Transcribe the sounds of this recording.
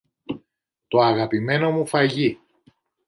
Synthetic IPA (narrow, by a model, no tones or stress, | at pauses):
t̪o̞ɐɣɐpime̞no̞mufɐʝi